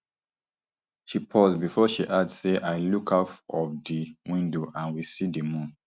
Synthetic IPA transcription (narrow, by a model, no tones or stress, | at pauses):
ʃipʰɔsbifɔʃiʔadsseʔajlukʰafɔfdiwĩndoʔãnwisidəmũn